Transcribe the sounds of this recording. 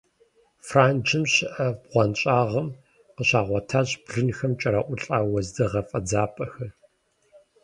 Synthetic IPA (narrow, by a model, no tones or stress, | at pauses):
fraːnd͡ʒʰɨmɕɪʔɐbʁʷɔnɕʼaːʁɐm | qəɕaːʁʷɔtʰaːʑbɮɨnxɐmt͡ʃʼɐɾɐʔʷʊɬʼaːwɐzdɨʁɐfʼɐd͡zaːpʼɐxɐr